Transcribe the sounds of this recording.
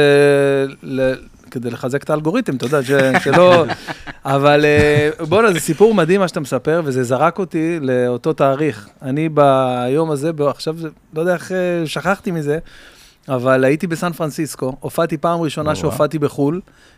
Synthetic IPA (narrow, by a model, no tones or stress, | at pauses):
e | le | ked̪ejleχazekt̪aːlɡo̞ʁit̪emt̪o̞d̪aʃeʃelo | avalebonazesipuʁmad̪imːaʃat̪amesape̞ʁve̞zezaʁako̞t̪ile̞o̞t̪o̞t̪aːʁiχanibajo̞maze̞baχʃav | lojd̪eaeχeʃaχaχt̪imize̞ | avalait̪ibesanfʁansisko̞ofat̪ipaːmʁiʃo̞naʃeofat̪ibeχul